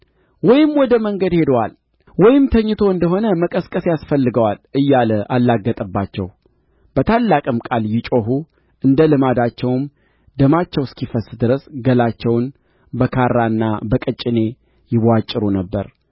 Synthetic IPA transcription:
wɔjɪmwɔd̪əməŋɡəd̪he̞d̪əwal | wɔjɪmt̪ʰəɲːɨt̪ʰo̞ɨnd̪əɦo̞nəməkʼəskʼəsjasfəlːɨɡəwalʔɨjːaləʔalːaɡːət̪ʼəbːat͡ʃːɛ̰w | b̥ət̪ʰalːakʼɨmkʼaljɪt͡ʃʼoɦu | ʔɨnd̪əlɨmad̪at͡ʃːɛwm | d̪əmat͡ʃːɛwskʰifəsd̪ɨɾəsɡəlat͡ʃːɛwn | bəkʰaɾːanːa̰bəkʼət͡ʃʼɪne̞ | jɪβat͡ʃʼːɪɾunəbːə̰ɾ

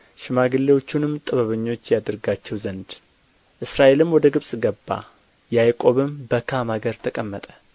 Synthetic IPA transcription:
ʃɪmaɡɨlːewo̞t͡ʃːunɨmːt̪ʼəβəβəɲːo̞t͡ʃːjad̪ɨɾɡat͡ʃːɛwzənd̪ | ʔɨsɾaʔe̞lɨmwɔd̪əɡɨβsʼɡəbːa̰ | jajkʼo̞βɨmbəkʰamaɡəɾt̪ʰəkʼəmːət̪ʼə̥

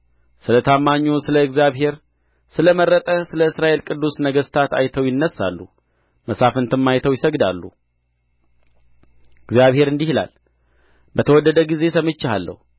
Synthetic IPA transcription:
sɨlət̪ʰamːaɲːusɨləɨɡzjaβɦe̞ɾ | sɨləməɾːət̪ʼəsɨləɨsɾaʔe̞lkʼɨd̪ːusnəɡəst̪ʰat̪a̰jt̪ʰəwjɪnːəsːa̰lːu | məsafɨnt̪ʰɨmːajt̪ʰəwjɪsəɡd̪a̰lːṵ | ɨɡzijaβhe̞ɾɨnd̪ihila̰l | bət̪ʰəwɔd̪ːəd̪əɡize̞səmːɨt͡ʃːaalːə̰hu

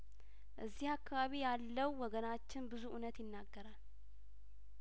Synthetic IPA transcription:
ʔɨzːihakːaβaβijalːəwːɔɡənat͡ʃːɪnbɨzuʔunət̪jɪnːaɡːəɾal

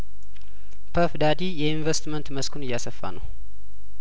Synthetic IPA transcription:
pʰəfd̪ad̪ijɛinvəst̪mənt̪məskʰunɨjːasəfːa̰nəw

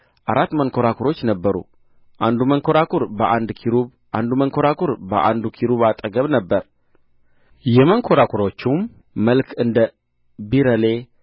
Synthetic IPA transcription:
ʔaɾat̪ːməŋkʰoɾakʰuɾo̞t͡ʃːnəbːəɾṵ | ʔand̪uməŋkʰo̞ɾakʰuɾbəʔand̪kʰiɾuβ | ʔand̪uməŋkʰo̞ɾakʰuɾbə̰ʔa̰nd̪ukʰiɾuβat̪ʼəɡəβnəbːəɾ | jɛməŋkʰo̞ɾakʰuɾo̞t͡ʃːum | məlkʰɨnd̪ə | biɾəle̞

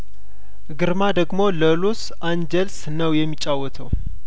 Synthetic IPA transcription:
ɡɨɾmad̪əɡmo̞ləlus | and͡ʒɛls | nəwjɛmːit͡ʃʼːawːɔt̪ʰəw

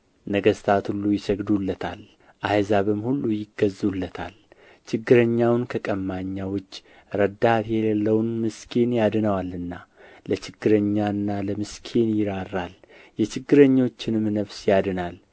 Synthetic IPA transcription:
nəɡəst̪ʰat̪hulːujɪsəɡd̪ulːət̪ʰa̰l | ʔajəzaβɨmhulːujɪɡəzːulːət̪ʰa̰l | t͡ʃʰɪɡːɨɾəɲːawnkʰəkʼəmːaɲːawʊt͡ʃː | ɾəd̪at̪elelːəwnmɨskʰenjad̪ɨnəwalɨnːalət͡ʃʰɪɡːɨɾəɲːaɨnːaləmɨskʰenjɪɾarːal | jɛt͡ʃɪɡːɨɾəɲːo̞t͡ʃːɪnmːnəβsjad̪ɨnal

